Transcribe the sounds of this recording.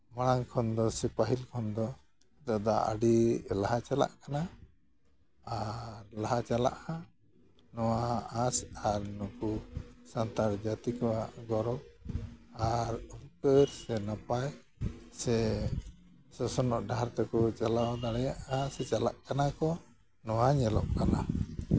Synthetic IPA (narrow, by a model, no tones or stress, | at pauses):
maɽ̃aŋkʰɔnd̪ɔsɛpaɦilkʰɔnd̪ɔ | t̪ad̪aʔa̰ɖilaɦat͡ʃala̰ʔkana | ɾlaɦat͡ʃala̰ʔha | nɔwaasaɾnɔkusant̪aɾd͡ʒat̪ikɔwaʔɡɔɾɔk̚ | aɾɔkəɾsɛnapaj | sɛ | sɔsɔnɔʔɖaɾt̪ɛkɔt͡ʃalawd̪aɽɛjaʔhasɛt͡ʃala̰ʔkanakɔ | nɔwaɲɛlɔ̰ʔkana